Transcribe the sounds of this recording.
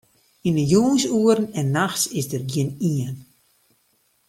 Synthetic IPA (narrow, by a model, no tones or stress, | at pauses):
inəjuŋsuəɾənɛnːaxsɪsdərɡjɪniən